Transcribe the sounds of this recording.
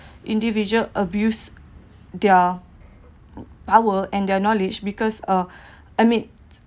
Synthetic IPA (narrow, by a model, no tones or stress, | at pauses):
ʔĩndivid͡ʒələbjus | dɛ | pawəɛ̃ndɛnɔlid͡ʒbikɔsə | ʔamĩn